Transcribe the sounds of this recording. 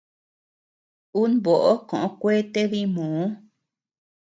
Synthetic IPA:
u˦nβo˨ʔo˦kõ˨ʔõ˧˦kʷe˦t̪e˦βi˦mõː˨˦

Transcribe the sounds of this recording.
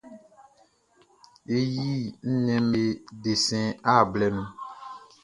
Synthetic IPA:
e˦ji˦n̩˦nɛ̃˦m˦e˦de˨sɛ̃˦a˦˨blɛ˦nũ˦

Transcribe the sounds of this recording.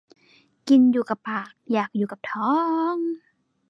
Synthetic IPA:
ki˧njuː˨˩ka˨˩pːaː˨˩k̚jaː˨˩k̚juː˨˩ka˨˩p̚t̪ʰɔː˦˥ŋ

